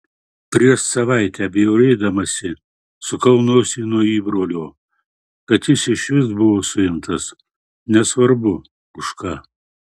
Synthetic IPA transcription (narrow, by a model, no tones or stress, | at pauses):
pʲɾʲiɛʃsɐʋɐɪt̪ʲɛɐbʲejoʊɾʲɛɪd̪ɐmɐsʲɪ | sʊkɐʊnoːsʲinuɔiːbɾoːlʲoː | kɐt̪jɪsɪʃʲʋʲɪsbʊʋoːsʊɪmt̪ɐs | nʲɛsʋɐɾbʊ | ʊʃkɑː